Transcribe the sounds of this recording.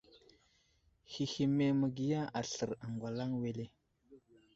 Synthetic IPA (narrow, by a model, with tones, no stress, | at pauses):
xi˨xi˨me˨mə˨ɡi˨ja˦ʔa˨ɬə˨ɾa˨ŋɡwa˨la˦ŋwe˨le˦